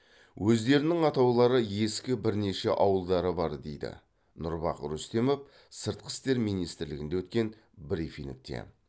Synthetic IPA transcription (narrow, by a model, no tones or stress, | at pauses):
wʔɵzd̪e̞ɾɪnɪŋɑt̪ɑwlˠɑɾəje̞skʲɪbɪɾne̞ʃeʔɑwəlˠd̪ɑɾəbɑɾd̪e̞̰jd̪ɪ̰ | nʊɾbɑqɾust̪e̞mop | səɾt̪̚qʰə̥st̪e̞ɾmijnijst̪ɪɾlɪɡʲɪnd̪ewɵt̪̚kʲe̞n | bɾifink̚t̪e̞̰